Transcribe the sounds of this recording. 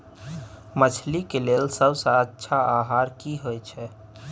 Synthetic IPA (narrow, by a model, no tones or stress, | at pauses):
mət͡ʃʰlikelelsəbsaəʃʰaaɦaːɾkiɦoɛt͡ʃʰɛ